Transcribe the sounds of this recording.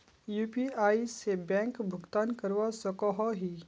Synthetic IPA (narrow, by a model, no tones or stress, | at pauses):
juːpiaːisebɛ̃ːŋkbʱʊɡt̪aːnkəɾʋasɔkɔɦɔɦiː